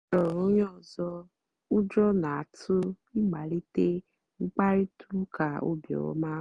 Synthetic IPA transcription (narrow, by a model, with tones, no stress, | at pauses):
ɔ˨ɾo˨˦jɔ̃˦˨zɔ˧ | u˦d͡ʒɔ˦nã˨tu˦ | i˦ɡ͡ba˨ɾi˦te˦ | ŋ͡m̩˦k͡pa˦ɾi˦tʰu˦kʰa˨o̰˦bjɔ̰˨wɔ̰˨˦mã˦